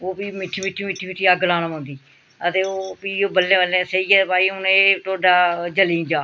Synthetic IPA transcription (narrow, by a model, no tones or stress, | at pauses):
oːpiːmɪʈʰːiːmɪʈʰːiːmɪʈʰːiːmɪʈʰːiːaɡəlãːnəmãːnd̪iː | ət̪eːoːpiːoːbəlːẽːbəlːẽːsəiːɛːpaːiːʊneʈoːɖaːd͡ʒəliːd͡ʒaː